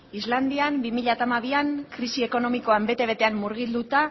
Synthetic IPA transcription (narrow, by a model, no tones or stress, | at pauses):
izland̪iambimiʎat̪amaβiaŋkɾisie̞ko̞no̞miko̞ambe̞t̪e̞β̞e̞t̪e̞amːuɾɣ̞ild̪ut̪a